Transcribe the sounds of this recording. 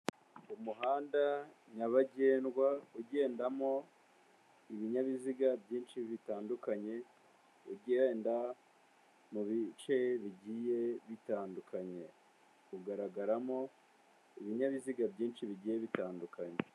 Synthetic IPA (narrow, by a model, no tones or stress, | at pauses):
umuɦaːndaɲaβaɟeːnɡwauɟe̞ːndamo̞ | iβiɲaβiziɡabɟiːnʃiβitaːndukaɲe̞ | uɟeːnda | muβit͡ʃe̞βiɟiːje̞βitaːndukʰaɲe̞ | uɡaɾaɡaɾamo̞ | iβiɲaβiziɡabɟiːnʃiβiɟiːje̞βitaːndukaɲe